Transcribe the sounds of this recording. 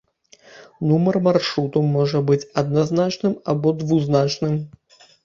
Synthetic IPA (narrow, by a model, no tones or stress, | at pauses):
numɐrmarʂɾut̪umɔʐɐbɨt͡sʲad̪̚naznat͡ʂnɨmabɔd̪vuznat͡ʂnɨm